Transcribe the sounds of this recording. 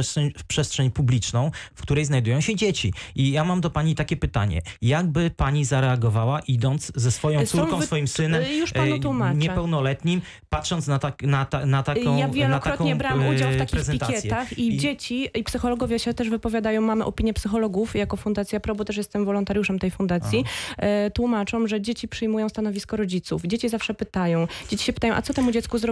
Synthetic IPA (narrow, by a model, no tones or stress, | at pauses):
stʂɛɲpʂɛstʂɛɲpublʲit͡ʂnɔ̃w̃fkt̪uɾɛjznajd̪ujɔ̃w̃ɕɛd͡ʑet͡ɕiʔijamamd̪ɔpaɲit̪akʲɛpɘt̪a̰ɲɛ̰jaɡ̚bɘpaɲizaɾɛaɡɔvawaʔid̪ɔnt̪szɛsfɔjɔ̃suɾkɔ̃sfɔjimsɘnɛmjuʂaut̪wumaɲɛpɛwnɔlɛt̪ɲim | pat̪ʂɔnt̪snaaknat̪anat̪akɔ̃wjavjɛlnatɾaɔtɔ̃ɲɛbɾawmud͡ʑawfakʲpiɾɛzɛniaɛjɛt̪axid͡ʑet͡ɕiipsɘxɔlɔɡɔvʲjɛɕɛt̪ɛʂvɘpɔvʲjad̪ajɔ̃w̃mamɘʔɔpʲiɲjɛpsɘxɔlɔɡufjakɔfund̪at̪sʲjapɾɔbut̪ɛʂjɛst̪ɛmvɔlɔnt̪aɾjuʂɛmt̪ɛjfund̪at̪sʲjit̪wumat͡ʂɔmʐɛd͡ʑet͡ɕipʂɘjmujɔ̃w̃st̪anɔvʲiskɔɾɔd͡ʑit̪sufd͡ʑet͡ɕizafʂɛpɘt̪ajɔ̃w̃d͡ʑet͡ɕi̥ɕɛpɘ̥t̪ajɔ̃w̃ʔat̪ɔt̪ɛmud͡ʑɛt̪skuzɾɔ